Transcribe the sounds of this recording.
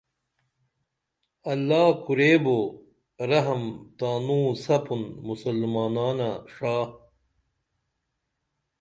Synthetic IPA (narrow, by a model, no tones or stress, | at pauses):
ɐlːaːkuɾeːbo | ɾɐɦɐmt̪aːnũːsɐpunmusɐlːmaːnaːnaʂaː